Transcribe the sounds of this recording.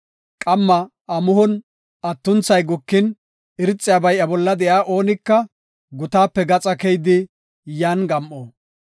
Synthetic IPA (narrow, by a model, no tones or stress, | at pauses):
kʼɐmːɐ | ɐmʊhʊn | ɐt̪ːʊnt͡sɐjɡʊkːɪn | ɪɾɪt͡sʼːɪjabɐjʔɐbɔlːɐd̪ɛjaːʔo̞ːnɪkːɐ | ɡʊt̪aːpːɛɡɐt͡sʼɐkɛjd̪ɪ | jaːnɡɐmʔoː